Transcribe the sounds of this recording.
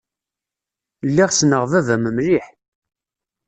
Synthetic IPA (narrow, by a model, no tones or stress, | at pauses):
lːiʁsnəʁvævæməmliħ